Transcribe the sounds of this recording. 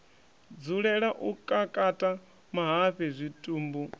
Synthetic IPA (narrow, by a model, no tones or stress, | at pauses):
d͡zuɺɛɺaʔukʼakʼatʼa | maɦaɸɛzʷitʼuːmbu